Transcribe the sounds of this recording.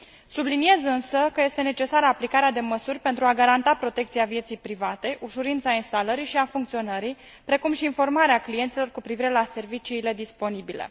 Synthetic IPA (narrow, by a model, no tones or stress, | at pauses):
sublinie̞zɨnsəkəje̞st̪e̞ne̞t͡ʃe̞saɾəaplikaɾead̪e̞məsurʲpe̞nt̪ɾuaɡaɾant̪apɾo̞t̪e̞kt̪siavje̞t̪sijpɾivat̪e̞ʔuʃuɾint̪sainst̪aləɾiʃiafuŋkt̪sio̞nəɾi | pɾe̞kumʃiːnfo̞rmaɾeaklijent̪silo̞rkupɾiviɾe̞lase̞rvit͡ʃiːle̞d̪ispo̞nibile̞̰